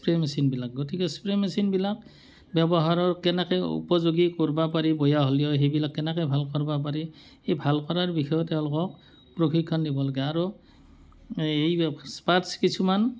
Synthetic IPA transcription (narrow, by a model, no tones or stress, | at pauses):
pɹemɛsinbilak̚ɡotikɛspɹemɛsinbilak | bjɛbɔɦaɹɔɹkɛnɛkɛṵpɔzoɡikɔɹbapaɹibɔjaɦolijɔɦebilakːɛnɛkɛbʱalkɔɹbap̬aɹi | ejbʱalkɔɹaɹbixʰɔjɔtːɛʊ̃lʊkɔk̚ | pɹokʰikʰːɔndibɔlaɡɛaɹu | ejspaɹtskisʰuman